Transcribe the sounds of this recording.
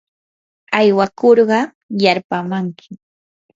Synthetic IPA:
ajwakoɾɢɑ | jaɾpamaŋkʰɪ̥

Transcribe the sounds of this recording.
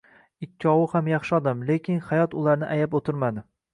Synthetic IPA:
ɪkʲʰːɒwʊhamjɑχʃɪɒd̪amle̞kʲɪnhajɒt̪ʊlˠaɾnɪʔajapot̪ɪɾmad̪ɪ

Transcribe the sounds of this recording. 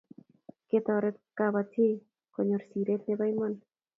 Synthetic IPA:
ket̪ɔɾɛkabatʰɪ | kɔɲoɾsiɾet̪nebajmɔn

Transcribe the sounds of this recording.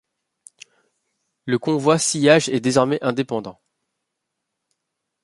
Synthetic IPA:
ləkɔ̃vwasijaʒɛd̪ezɔʁmɛʔɛ̃d̪epɑ̃d̪ɑ̃

